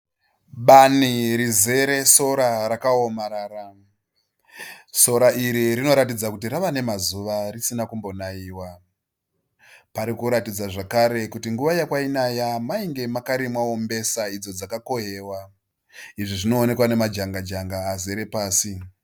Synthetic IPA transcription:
ɓaniɾize̞ɾe̞so̞ɾaɾakaomaɾaːra | so̞ɾaʔiɾiɾino̞ɾatid͡zakutiɾaʋane̞mazuʋarisinakumbo̞naiːwa | paɾikuɾatid͡zaʐakaɾe̞kutiŋɡuʋajakwainajamaiŋɡe̞makaɾimwaombe̞said͡zo̞d͡zakako̞ɦeːwa | iʐiʐino̞ːne̞kwane̞mad͡ʒaŋɡad͡ʒaŋɡaːzeɾe̞paːsi

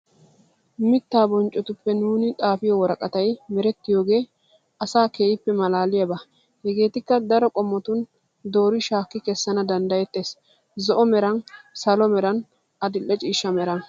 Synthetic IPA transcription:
mɪt̪ːaːbɔnt͡ʃʼɔt̪ʊpːɛnuːnɪt̪ʼaːfɪjɔwɔɾɐkʼɐt̪ɐjmɛɾɛt̪ːɪjo̞ːɡe̞ː | ɐsaːkeːjɪpːɛmɐlaːlɪjɐbɐ | hɛɡe̞ːt̪ɪkːɐd̪ɐɾɔkʼɔmːɔt̪ʊn | d̪o̞ːɾɪʃaːkːɪkɛsːɐnɐd̪ɐnd̪ɐjɛt̪ːe̞ːs | zɔʔɔmɛɾɐnsɐlɔmɛɾɐn | ɐd̪ɪlːɛt͡ʃʼiːʃːɐmɛɾɐ

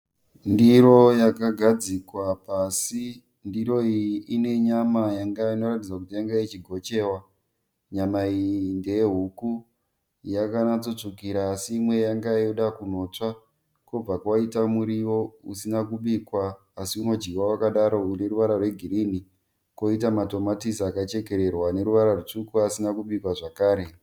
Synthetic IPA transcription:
ndiɾo̞jakaɡʱad͡zikwapasi | ndiɾo̞iʔine̞ɲamajaŋɡaino̞rat̬id͡zakutijaŋɡait͡ʃiɡʱo̞t͡ʃe̞ːwa | ɲamaijinde̞jeɦuku | jakanat͡so̞t͡ʂukiɾaːsiːmwe̞jaŋɡaioɗakuno̞t͡ʂa | kob͡vakwaitamuɾiwo̞usinakuɓikwaː | siuno̞d͡ʒɡiwawakaɗaɾo̞une̞ɾuʋaɾarwe̞ɡʱiɾini | ko̞itamato̞matisakat͡ʃe̞ke̞ɾe̞rwane̞ɾuʋaɾarut͡ʂukuasinakuɓikwaʐakaːɾe̞

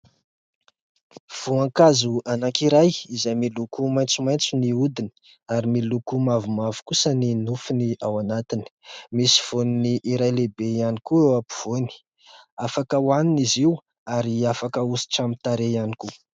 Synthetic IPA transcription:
v̥uaŋkazuanakiɾajizajmilukumajnt͡sumajnt͡suniud̪ini̥ | aɾimilukumavumavu̥kusəninufiniawanat̪ini̥misi̥v̥oniniʔiɾajlebejanikuewapu̥v̥oni̥ | afakəwaniniziw | aɾiafakəusi̥ʈ͡ʂamit̪aɾejaniku

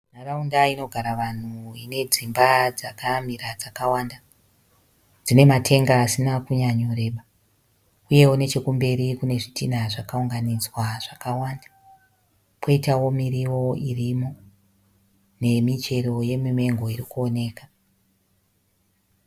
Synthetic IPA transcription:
naraundaino̞ɡʱaɾaʋan̤uine̞d͡zimbad͡zakam̤iɾad͡zakawaːnda | d͡zine̞matʰe̞ŋɡaːsinakuɲaɲoɾeːɓa | uje̞wune̞t͡ʃe̞kumbe̞ɾikune̞ʐitinaʐakauŋɡanid͡zwaʐ̥akawaːnda | koitawo̞miriwo̞irimo̞ | ne̞mit͡ʃe̞ɾo̞je̞mime̞ŋɡo̞iɾikuo̞ne̞ːkḁ

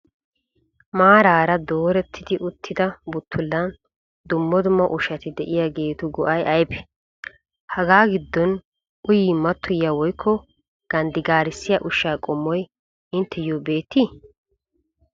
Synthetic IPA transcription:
maːɾaːɾɐd̪o̞ːɾɛt̪ʰːɪd̪ɪʔʊt̪ʰːɪd̪ɐbʊt̪ʰːʊlːɐn | d̪ʊmːɔd̪ʊmːɐʔʊʃɐt̪ɪd̪ɛʔɪjaɡe̞ːt̪ʊɡɔʔɐjɐjbɛ̥ | hɐɡaːɡɪd̪ːɔn | ʔʊjiːmɐt̪ːʊjawɔjkʰːɔ | ɡ̥ɐnd̪ɪɡaːɾɪsːɪjɐʔʊʃːaːkʼɔmːɔj | ɪnt̪ʰːɛjobe̞ːt̪ːi

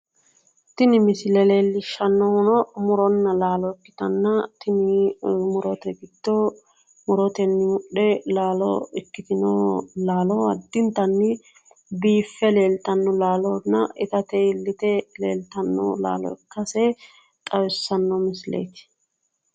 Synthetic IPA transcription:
t̪ɪnɪmɪslɛleːlːɪʃːɐnːɔhʊnɔmʊɾɔnːɐlaːlɔɪkːɪ̥t̪ɐnːɐt̪ɪnɪmʊɾɔt̪ɛɡɪd̪̥ːɔ | mʊɾɔt̪ɛnːɪmʊɗɛlaːlɔ̰ɪkːɪt̪ɪnolaːlɔɐ̰d̪ːɪnt̪ɐnːɪ | biːfːɛle̞ːlt̪ɐnːɔlaːlɔnːɐʔɪt̪ɐt̪ɛɪlːɪt̪ɛleːlt̪ɐnːɔ̰la̰ːlɔ̰ɪ̰kːɐsɛ | t̪ʼɐwɪsːɐnːɔmɪslḛjt̪ɪ̥

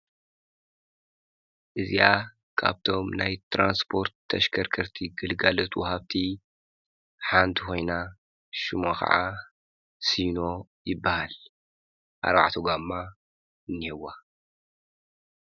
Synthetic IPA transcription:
ʔɨzija | kʰa̰βt̪ʰo̞mnajt̪ʰɾʔanspʰo̞ɾt̪ʰːɐʃkʰɐɾkʰɐɾt̪ʰiɡɨlɡalot̪ʰwɐhaβt̪ʰi | ħant̪ʰixo̞jna | ʃɨmaxʰɐ̰ʕa̰ | sijno̞jɪbːahal | ʔa̰ɾba̰ʕt̪ʰoɡamːa | ɨnːihɛwːa

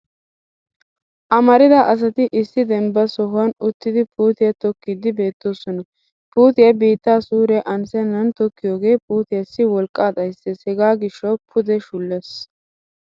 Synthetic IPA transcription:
ʔɐmɐɾɪd̪ɐʔɐs̬ɐt̪ɪʔɪsːɪd̪ɛmbɐsɔɦʊɐnʊt̪ːɪd̪ɪpʰuːt̪ɪjɐt̪ɔkːɪd̪ɪbe̞ːt̪ːoːsɔnɐ | puːt̪ɪjɐbiːt̪ːaːsuːɾɛʔɐnsɛnːɐnt̪ɔkːɪjoːɡe̞ːpuːt̪ɪjɐsːɪwɔlkʼːaːd̪ɐjsɛshɛɡaːɡɪʃːɔwpʰʊd̪ɛʃʊlːes

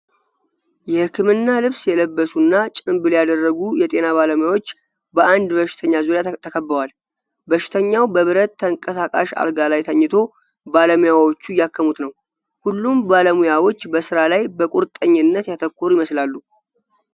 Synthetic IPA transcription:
jɛhɨkːɨmɨnːalɨβsjɛləbːəsunːat͡ʃʼɨmbɨljad̪ərːəɡujɛt̪ʼe̞naβaləmujawo̞t͡ʃː | bəʔand̪bəʃɪ̥t̪ʰəɲːazuɾjat̪ʰəkʰəbːəwal | bəʃɪ̥t̪ʰəɲːawbəβɨɾət̪ːəŋkʼəsakʼa̰ʃa̰lɡalajt̪ʰəɲːɪt̪ʰo̞ | baləmujawo̞t͡ʃːujakʰːəmut̪nəw | hulːumbaləmujawo̞t͡ʃːbəsɨɾalajbəkʼuɾt̪ʼːəɲːɪnːət̪jat̪ʰəkʰːoɾujɪməslalːu

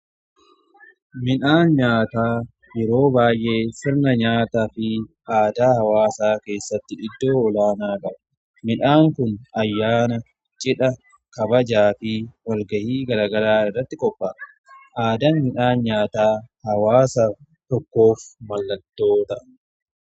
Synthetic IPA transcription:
mɪᶑaːnɲaːt̪aː | jɛɾo̞ːbaːjʔe̞ːsɪɾnɐɲaːt̪afɪʔaːd̪aːhɐwaːsaːke̞ːsːɐt̪ːɪʔɪd̪ːo̞ːɔlaːnaːkʼɐbɐ | mɪᶑaːŋkʊnɐjːaːnɐ | t͡ʃʼɪᶑɐ | kɐbɐd͡ʒaːfɪwɐlɡɐhiːɡɐɾaːɡɐɾaːɪrːɐt̪ːɪkʼɔpːaː | ʔaːd̪ɐnmɪnaːnɲaːt̪aːhɐwaːsɐ | t̪ɔkːo̞ːfmɐlːɐt̪ːo̞ːt̪ɐ

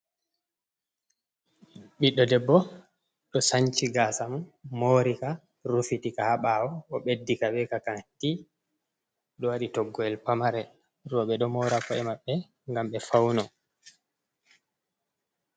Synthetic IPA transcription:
ɓiɗːɔdɛbːɔ | ɗɔsaɲt͡ʃiɡasammoːɾika | ɾufitikahaɓawɔʔɔɓedːikaɓɛkakati | ɗɔwaɗitɔɡːɔɛlpamaɾɛ | ɾɔɓɛɗɔmɔɾakɔɛmaɓːɛ | ŋɡamɓɛfawnɔ

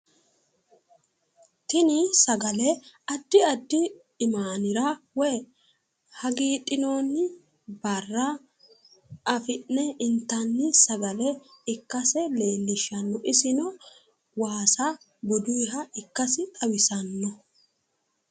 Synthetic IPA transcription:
t̪ɪnɪsɐɡɐlɛɐd̪ːɪɐd̪ːɪː | maːnɪɾɐwɛː | hɐɡiːt̪ʼːɪnoːnːɪ | bɐrːɐ | ɐfɪnːɛɪnt̪ːɐnːɪsɐɡɐlɛɪkːɐsɛle̞ːlːɪʃːɐnːɔʔɪsɪnɔ | waːsɐ | bɔd̪ʊjɦɐɪkːɐsɪt̪ʼɐwɪsɐnːɔ

